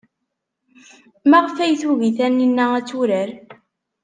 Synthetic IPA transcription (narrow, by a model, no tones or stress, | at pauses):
mæʁfæjθuɣiθænːinːææt͡sːuɾəɾ